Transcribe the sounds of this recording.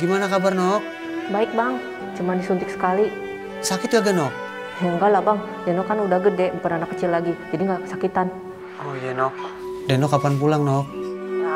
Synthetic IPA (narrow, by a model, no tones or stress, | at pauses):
ɡimanakabarnɔk̚ | baɪk̚baŋ | t͡ʃumandisunt̪ɪksə̥kali | sakɪt̪̚ɡaɡanɔk̚ | jaŋɡalabaŋ | jɛnɔkːanudahɡədɛəmpənanakːət͡ʃilːaɡid͡ʒadiŋɡakə̥sakit̪an | ojɛnɔk̚ | dɛnɔkːapanpulaŋnɔk̚